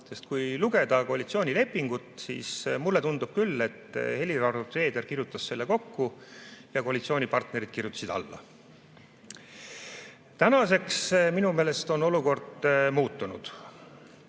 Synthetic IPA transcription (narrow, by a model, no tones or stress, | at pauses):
se̞st̪̚kujluɡ̥e̞d̪̥ɑko̞ɑlit̪sio̞ːnʲile̞pːiŋɡut̪sḭːsmulːet̪und̪ub̥kylːe̞t̪ːhe̞lʲiɾɑrut̪re̞ːd̪e̞rkiɾjut̪ːˑɑsse̞lːeko̞kːujɑko̞ɑlit̪sio̞ːnʲipɑrt̪neɾid̪̥kirjut̪ːˑɑ̥sid̪̥ɑ̰lːɑ̰ | t̪ænɑse̞ksminume̞ːle̞st̪o̞no̞luko̞rd̪̥muːt̪ːˑunṵd̪̥